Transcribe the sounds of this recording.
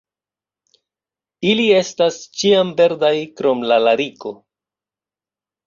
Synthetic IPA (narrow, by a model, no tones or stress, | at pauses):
ilie̞stast͡ʃiambe̞ɾdajkɾo̞mlalaɾiko̞